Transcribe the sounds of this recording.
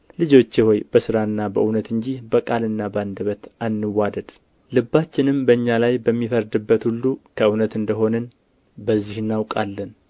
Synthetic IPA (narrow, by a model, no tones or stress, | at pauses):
lɨd͡ʒo̞t͡ʃːeho̞jb̥əsɨɾaɨnːabəʔɨwnət̪ɨɲd͡ʒihbəkʼalɨnːabəand̪əβət̪ʔanːɨwːad̪əd̪̥ | lɨbːat͡ʃːɪnɨmbəɨɲːalajbəmːifəɾd̪ɨbːət̪hulːukʰəɨwnət̪ɨnd̪əɦo̞nɨn | bəzːihɨnːawkʼalːən